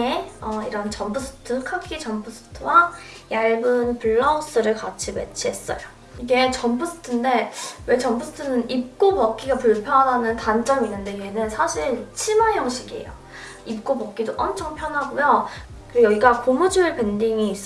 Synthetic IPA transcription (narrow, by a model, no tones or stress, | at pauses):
eʌiɾʌnt͡ɕʌmbus͈ʰɯ̥tʰɯkʰakʰit͡ɕʌmpʰus͈ʰɯ̥tʰɯwa | jaɭbɯnpuɭːaos͈ɯɾɯɭkat͡ɕʰime̞̰t͡ɕʰiɦe̞s͈ʌ̰jo | iɡe̞t͡ɕʌmpʰɯs͈ʰɯ̥tʰɯnde̞we̞t͡ɕʌmbusʰɯ̥tʰɯnɯnip̚k͈obʌk̚k͈iɡapuɭpʰjʌnɦadanɯntant͡ɕ͈ʌminːɯnde̞ienɯnsʰaɕʰiɭt͡ɕʰimajʌŋɕʰiɡiḛjo̰ | ip̚k͈obʌk̚k͈idoʔʌmt͡ɕʰʌŋpʰjʌnɦaɡojo | kɯɾejʌɡiɡakomud͡ʑuɯɭpendiŋiːs͈